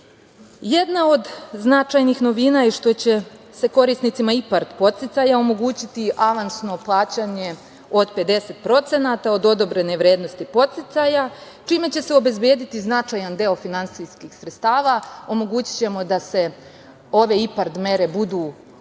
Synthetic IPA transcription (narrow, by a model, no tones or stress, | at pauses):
je̞d̪nao̞d̪znat͡ʃajnixno̞ʋinaiʃt̪o̞t͡ɕe̞ | seko̞ɾisnit̪simaipaɾt̪po̞t̪sit̪sajao̞mo̞ɡuːt͡ɕit̪iʔaʋansno̞plˠaːt͡ɕaɲe̞ | o̞d̪pe̞d̪e̞se̞t̪pɾo̞t̪se̞nat̪ao̞d̪o̞d̪o̞bɾe̞ne̞ʋɾje̞ːd̪no̞st̪ipo̞t̪sit̪saja | t͡ʃiːme̞t͡ɕe̞se̞o̞be̞zbjeːd̪it̪iznat͡ʃajand̪e̞ofinant̪siskixsɾet̪st̪aːʋao̞mo̞ɡuːt͡ɕi̥t͡ɕe̞mo̞d̪ase̞ | o̞ʋe̞ipaɾd̪me̞ɾe̞bud̪uː